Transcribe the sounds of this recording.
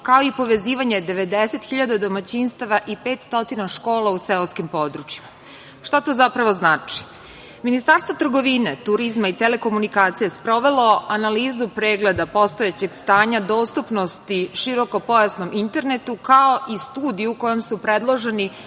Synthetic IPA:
kao̞ipo̞ʋe̞ziːʋaɲe̞d̪e̞ʋe̞d̪ese̞t̪xiʎad̪ad̪o̞mat͡ɕinst̪aʋaʔipe̞ːt̪st̪o̞t̪inaʃko̞ːlauseoskimpo̞d̪ɾut͡ʃjima | ʃt̪at̪o̞ːzapɾaʋo̞znaːt͡ʃi̥ | minist̪aɾst̪ʋot̪r̩ɡo̞ʋinet̪uɾizmait̪ele̞ko̞munikaːt̪sijespɾo̞ʋe̞lo̞ʔanaliːzupɾe̞ːɡle̞d̪apo̞st̪o̞jet͡ɕe̞ɡst̪aːɲad̪o̞ːst̪upno̞st̪iʃiɾo̞ko̞po̞jasno̞mint̪e̞ɾne̞t̪ukao̞ʔist̪uːd̪ijuuko̞jo̞msupɾed̪lˠo̞ʒe̞ni

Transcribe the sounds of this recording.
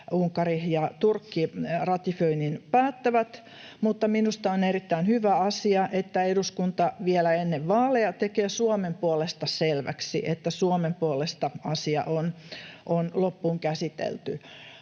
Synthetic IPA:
uŋkːɑrihjɑt̪urkːirɑt̪iføininpæːt̪ːæʋæt̪ | mut̪ːɑminust̪ɑonerit̪ːæinhyʋæɑsiɑʔet̪ːæeɾuskunt̪ɑʋiɛlæenːeʋʋɑːleɑt̪ekeːsuɑmempuolest̪ɑselʋæ̰ksḭʔet̪ːæsuomempuolest̪ɑɑsiɑ̰ʔonʔonlopːuːŋkæsit̪ḛlt̪y

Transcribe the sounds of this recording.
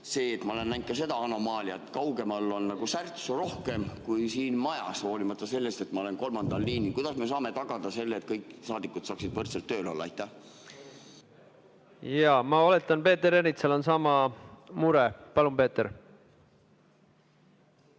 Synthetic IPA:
se̞ːt̪mɑole̞nːæjnt̪̚kɑse̞d̪ɑɑno̞mɑːliɑt̪ːˑkɑwɡe̞mɑlːo̞nːɑɡ̥usært̪suɾo̞hke̞mkujsiːnmɑjɑ̰sho̞ːlimɑt̪ːˑɑse̞lːest̪e̞t̪mɑole̞nko̞lmɑnd̪̥ɑlːiːnikujd̪̥ɑsmiesɑːme̞t̪ɑɡ̥ɑd̪ɑse̞lːeːt̪̚kɤjkːˑsɑːd̪ikːˑud̪̥sɑːksid̪vɤrt̪selt̪ːø̞ːlo̞lːɑɑ̰jt̪ːæh | jɑmɑɑle̞t̪ːˑɑnpe̞ːt̪ːˑeɾenit̪selo̞nsɑmɑmuɾɛpɑlumpe̞ːt̪eɾ

